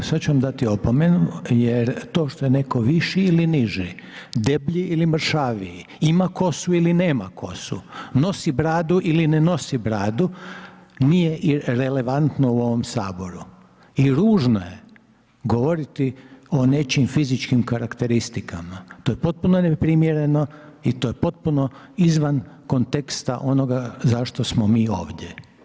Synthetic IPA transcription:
sad̪t͡ʃuʋamd̪at̪iopomenujeɾt̪o̞ːʃt̪o̞jeneko̞ʋiʃiːliniʒi | d̪ebʎiilimr̩ʃaːʋii | imako̞suilineːma̰kʰo̞̰sṵno̞sibɾaːd̪uʔilineno̞sibɾaːd̪u | nije̞ʔiɾele̞ʋant̪nouo̞ʋo̞msaːbo̞ɾu | iɾuːʒnoje | ɡoʋo̞ɾit̪ione̞t͡ʃimfizit͡ʃkimkaɾakt̪e̞ɾist̪ikamat̪oːjepo̞t̪̚punonepɾimjeɾe̞no̞it̪ojepo̞t̪̚puno̞ | izʋanko̞nt̪ekst̪aʔo̞no̞ɡazaʃt̪osmomiːo̰ːʋd̪ʲje

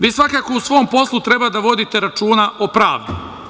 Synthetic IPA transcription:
ʋiːsʋakako̞usʋo̞ːmpo̞slˠut̪ɾebad̪aʋo̞d̪it̪e̞ɾat͡ʃuːnaopɾaːʋd̪i

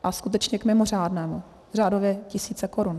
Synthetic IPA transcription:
ʔaskut̪̬ɛt͡ʃɲɛkmɪmoraːdnɛːmu | r̝aːdovjɛcɪsiːt͡sɛko̞ɾun

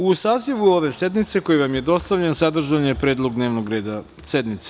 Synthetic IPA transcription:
usaːziʋuo̞ʋe̞se̞d̪nit̪se̞ko̞jeʋamjed̪o̞st̪aʋʎensad̪r̩ʒaɲepɾe̞ːd̪lˠo̞ɡd̪ne̞ːʋnoɡɾeːd̪a | sed̪mit̪se̥

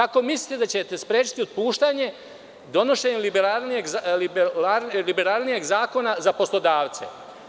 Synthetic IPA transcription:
ako̞mislit̪ed̪at͡ɕe̞t̪e̞spɾe̞ːt͡ʃi̥t̪iod̪̚puːʃt̪aɲe̞ | d̪o̞no̞ʃe̞ːɲelibeɾalnieɡibalibeɾalˠnijeɡzaːko̞nazapo̞slˠo̞d̪aːʋt̪se̞̰

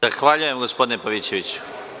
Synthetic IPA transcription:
axʋaːʎuje̞mɡospod̪inepaʋit͡ɕe̞ʋit͡ɕu̥

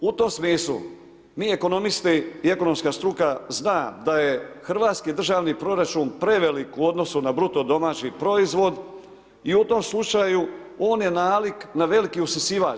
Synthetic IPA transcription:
ut̪omsmiːslˠṵ | miːe̞ko̞no̞mist̪iieko̞no̞mskast̪ɾukaznaːd̪aje̞xr̩ʋaːt̪skid̪r̩ʒaːʋnipɾo̞ɾat͡ʃuːnpɾe̞ʋelikuo̞d̪no̞sunabɾut̪o̞d̪o̞maːt͡ɕipɾo̞izʋo̞d̪ | iut̪o̞mslˠut͡ʃajuo̞ːnje̞naːliknaʋe̞likiusnisiːʋa̰ː

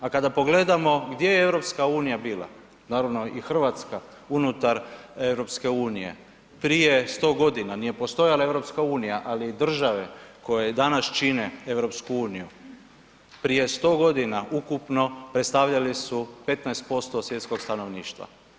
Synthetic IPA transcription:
akad̪apo̞ɡle̞d̪amo̞ɡd̪je̞jeeʋɾo̞pskauːnijabiːla̰ | naːɾaʋno̞ʔixr̩ʋat̪ska | unut̪aɾe̞ʋɾo̞pske̞uːnije̞̰ | pɾije̞st̪o̞ːɡo̞d̪inanije̞po̞st̪o̞jalaevɾo̞pskauːnijaʔaliːd̪r̩ʒaʋe̞ko̞jed̪anast͡ʃinee̞ʋɾo̞pskuuːniju | pɾije̞st̪o̞ːɡo̞d̪inaʔukupno̞pɾet̪st̪aʋʎalisupe̞t̪naest̪̚po̞st̪osʋje̞t̪sko̞ɡst̪ano̞ʋniːʃt̪ʋa̰

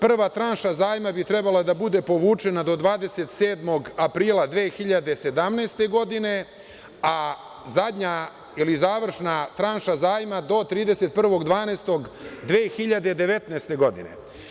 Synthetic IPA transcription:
pr̩ʋat̪ɾanʃazaːjmabit̪ɾɛbalˠad̪abud̪e̞po̞ʋuːt͡ʂe̞nad̪o̞d̪ʋaːd̪e̞set̪seːd̪mo̞ɡapɾiːlˠad̪ʋeːxiʎad̪e̞se̞d̪amneːst̪e̞ɡo̞d̪ine̞ | a | zad̪ʲɲa | ilizaːʋr̩ʃnat̪ɾanʃazaːjmad̪o̞t̪ɾiːd̪e̞se̞t̪̚pr̩ʋo̞ɡd̪ʋaːnest̪o̞ɡd̪ʋeːxiʎad̪e̞d̪eʋet̪neːst̪e̞ɡo̞d̪ḭnḛ

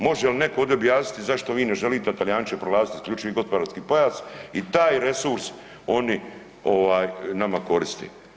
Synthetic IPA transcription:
mo̞ʒɛjeline̞kood̪jeobjaːsni̥t̪izaʃt̪oʋiːneʒeliːt̪eat̪aljaːnt͡ʃepɾolaːzi̥t̪iskʎʲuːt͡ʃiʋiɡo̞spo̞d̪aːɾskiːpo̞jaːzit̪aːjɾe̞suɾs | o̞ni | o̞ʋaːjnamako̞ɾist̪ḛ

